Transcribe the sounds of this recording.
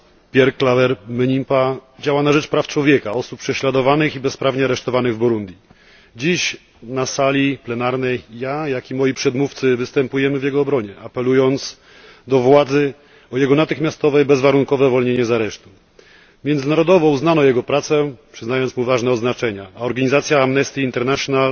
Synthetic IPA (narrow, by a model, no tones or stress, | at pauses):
pʲjɛɾklavɛɾmɛɲimpad͡ʑawanaʐɛt͡ʂpɾaft͡ʂwɔvʲjɛkaɔsuppːʂɛɕlad̪ɔvanɘxibɛspɾavɲɛaɾɛʂt̪ɔvanɘɣvbuɾund̪ʲji | d͡ʑiɕ | nasalʲiplɛnaɾnɛjːajakʲimɔjipʂɛd̪muft̪sɘvɘst̪ɛmpujɛmɘvʲjɛɡɔːbɾɔɲɛapɛlujɔnt̪s | d̪ɔvwad̪zɘ | ɔjɛɡɔnat̪ɘxmʲjast̪ɔvɛjbɛzvaɾuŋkɔvɛvɔlɲeɲɛzaɾɛʂt̪u | mʲjɛnzɘnaɾɔd̪ɔvɔuznanɔjɛɡɔpɾat̪sɛpʂɘznajɔnt̪muvaʐnɛɔd̪znat͡ʂɛɲaaɔɾɡaɲizat̪sʲjaamnɛst̪iːnt̪ɛɾnaʂjɔnal